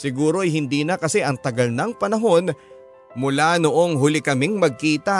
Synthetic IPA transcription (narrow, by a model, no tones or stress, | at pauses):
sɪɡuːɾo̞ʔɐjhɪnd̪iːnɐkɐsɛʔɐŋt̪ɐɡɐlnɐŋpɐnɐɦo̞n | mʊlano̞ʔo̞ŋɦʊlɪkɐmɪŋmɐɡ̚kiːt̪ɐ